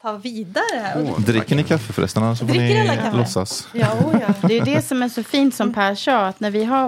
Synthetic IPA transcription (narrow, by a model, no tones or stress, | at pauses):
t̪ʰɑːviːd̪aɾəd̪ɾɪkːəɳɪkʰafːəfɾɛ̰st̪aɳasɔmfɾnɪalːlɔsːa̰s | d̪ɛjɵd̪ɛsɔmæʂɔfiːnt̪sɔmpʰæʂɑat̪næɾvɪɦa